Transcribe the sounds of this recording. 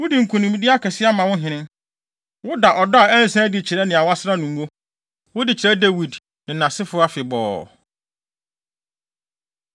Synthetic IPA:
wʊ˦di˨ŋ̩˨kʰũ˨nɪ̃˨mĩ˦di˦a˦kʰɛ˨sɪ˦a˦mã˨wʊ̃˦ɦɪ̃˨nɪ̃˦ŋ | wʊ˦da˨ʔɔ˨da˦a˨ɛ˦n̩˨sɛ̃˦dɪ˨t͡ɕʰɪ˨ɾɛ˦nɪ̃˨a˨wa˦sɪ˦ɾa˦nʊ̃˨ŋ˦wo˦ | wʊ˦dɪ˨t͡ɕʰɪ˨ɾɛ˦de˦wi˨d | nɪ̃˨nã˨sɪ˦fʊ˦a˦fɪ˨bɔ̰ː˨

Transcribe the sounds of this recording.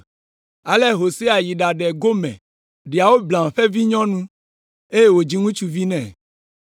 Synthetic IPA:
a˨lɛ˦ɦo˨se˦a˨ji˨ɖa˨ɖɛ˨ɡo˦mɛ̰̃˨ | ɖi˨a˨wo˦blã˨m˨ɸɛ˦vi˦ɲɔ̃˦nũ˦ | e˦je˦wo˨d͡ʑi˦ŋũ˦t͡ʃu˦vi˦nɛ̃˨

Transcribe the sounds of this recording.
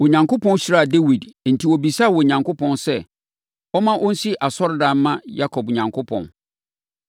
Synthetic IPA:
wɔ˨ɲã˨ŋkʊ˦pʰɔ̃˦n˦ɕi˦ɾa˦˨de˦wi˨dn̩˨tʰi˨wɔ˨bi˨saː˦˨wɔ˨ɲã˨ŋkʰʊ˦pʰɔ̃˦nsɛ˦ | ɔ˦mã˦ʔɔ˦n̩˦si˦ʔa˨sɔ˦ɾdã˨n˦mã˦ja˦kʰɔ˨bɲã˨ŋkʰʊ˦pʰɔ̰̃˨n

